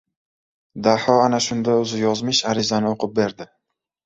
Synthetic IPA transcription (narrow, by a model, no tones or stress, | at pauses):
d̪aħɒanaʃʊnd̪aɵzɪjɒzmɪʃaɾɪzanɪoqʰʊp̚be̞ɾd̪ɪ